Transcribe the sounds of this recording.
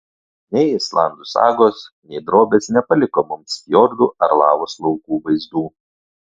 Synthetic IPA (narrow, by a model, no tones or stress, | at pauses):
nʲɛɪɪslˠɑ̰ˑnd̪ʊsɑ̰ːɡoːsnʲɛɪd̪ɾoːbʲeːsnʲɛpɐlʲɪkoːmʊmsʲkʲjɔːɾd̪uːʔɐɾlˠɑːʋoːslˠɔʊkuːʋɐɪzd̪uː